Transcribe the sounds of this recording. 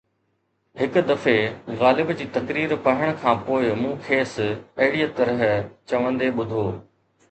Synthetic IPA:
ɦɪkʊd̪ɐfeɣaːlɪbd͡ʑiːt̪ɐkɾiːɾpɐɦɪɽ̃ʊkʰãːpoːɪmũːkʰeːsɐɦɪɽijt̪ɐɾəɦt͡ɕɐʋə̃nd̪eɓʊd̪ʱoː

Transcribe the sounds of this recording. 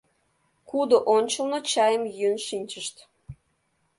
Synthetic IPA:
kud̪oʔonʲt͡ɕəlnot͡ɕɑjəmjønʃinʲt͡ɕəʃt̪

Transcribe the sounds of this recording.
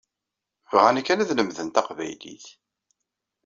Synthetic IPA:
vʁænækːænæðləmðənt̪ɑqvæ̰jlḭθ

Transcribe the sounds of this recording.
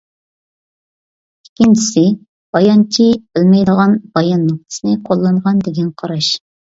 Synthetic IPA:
ikʲːint͡ʃʰi̥sɪ | b̥ɑjɑnt͡ʃʰib̥ɪlmɛjd̪əʁɑnbɑjɑnːoq̚t̪ʰɨ̥sɨnɨqʰolˠːɑɴʁɑnd̪ɪɡʲɛnqʰɑɾɑʃ

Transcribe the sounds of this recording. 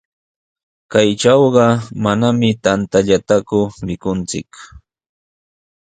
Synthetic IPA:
kajʈ͡ʂɑwɢɑmanamɪt̪ant̪aʎat̪akʊmɪkʊnt͡sɪ̰k

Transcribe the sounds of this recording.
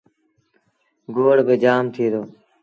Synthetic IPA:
ɡoːɽbed͡ʒaːmt̪ʰiːd̪oː

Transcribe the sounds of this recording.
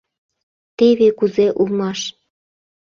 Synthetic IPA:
t̪eβekuzeʔulmɑʃ

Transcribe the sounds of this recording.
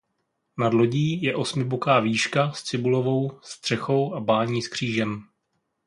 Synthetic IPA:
nadlo̞ɟiːjɛʔo̞smɪbokaːviːʃkast͡sɪbulo̞vo̞wst̪r̝̥ɛxo̞wʔabaːɲiːskr̝̥iːʒɛm

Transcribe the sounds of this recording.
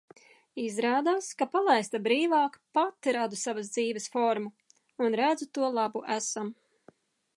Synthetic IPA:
izɾaːd̪aːskapalˠajst̪abɾiːvɑːkpat̪ɾad̪usavas̬d̪ziːvɛsfɔɾmu | unɾæd̪zut̪uɔlˠabuʔæsam

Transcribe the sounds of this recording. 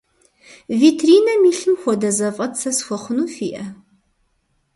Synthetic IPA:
viːtʰriːnɐmiːɬɨmxʷɔdɐzɐfʼɐtʰsɐsxʷɔχʷʊnuːfiːʔɐ

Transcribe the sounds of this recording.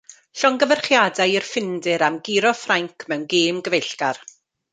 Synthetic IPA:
ɬɔŋɡəvərχjadajirfɪndɪɾamɡɪɾɔfraŋkʰmɛwnɡeːmɡəvejɬɡ̥ar

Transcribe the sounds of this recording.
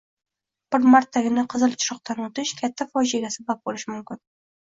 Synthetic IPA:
b̥ɪɾmaɾt̪ʰːaɡʲɪnɪqʰɨzɨlˠt͡ʃʰʊ̥ɾɒq̚t̪ʰanot̪ɪʃkʲʰat̪ʰːafɒʒaɡʲasabap̚bolɪʃmʊmkʲɪn

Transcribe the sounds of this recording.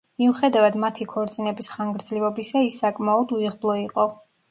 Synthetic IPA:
miuχɛd̪avad̪mat̪ʰikʰɔɾt̪sʼinɛbisχaŋɡɾd̪zlivɔbisaisːakʼmaɔd̪uiʁblˠɔiqʼɔ

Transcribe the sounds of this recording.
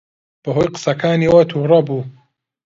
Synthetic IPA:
b̥ɐɦojqɨ̥sɐkʰaːniːwɐt̪ʰuːrɐbuː

